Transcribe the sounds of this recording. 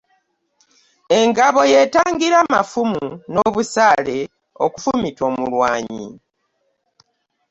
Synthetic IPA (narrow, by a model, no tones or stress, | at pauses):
e̞ŋɡaβo̞je̞ːtaːŋɡiɾamafumuno̞ːβusaːle̞ | oku̥fumito̞ːmulwa̰ːɲḭ